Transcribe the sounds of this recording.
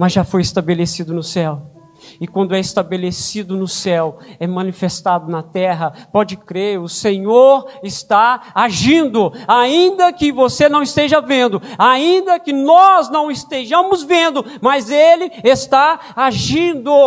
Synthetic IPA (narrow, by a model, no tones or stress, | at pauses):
mɐzʒafojɪst̪abelesid̪ʊnʊsɛw | ɪkwɐ̃nd̪ʊɛɪst̪abelesid̪ʊnʊsɛwɛmɐ̃nifest̪ad̪ʊnɐt̪ɛɦɐpɔd͡ʒɪkɾeɾʊsẽɲoɾɪst̪aaʒĩnd̪ʊaĩnd̪ɐkɪvosenɐ̃w̃ɪst̪eʒɐvẽnd̪ʊaĩnd̪ɐkɪnɔznɐ̃w̃ɪst̪eʒɐ̃mʊzvẽnd̪ʊ | mɐzelɪest̪a | aʒĩd̪ʊ